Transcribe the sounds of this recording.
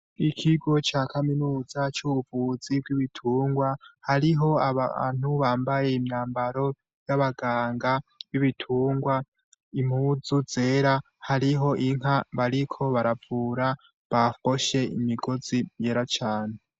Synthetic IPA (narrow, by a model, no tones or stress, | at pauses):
ikʰiɡo̞t͡ʃaːkʰaminuːzat͡ʃuːβuvuz̥ibɡwiβitʰuːŋɡwahaɾiɦo̞aβan̥huβaːmbaje̞imjaːmbaɾo̞ | jaβaɡaːŋɡaβiβitʰuːŋɡwa | im̥huːd͡zud͡ze̞ɾa | haɾiɦo̞ʔiŋ̥aβaɾikʰo̞βaɾavuːɾa | βafo̞ʃe̞imiɡo̞z̥imje̞ɾat͡ʃaːne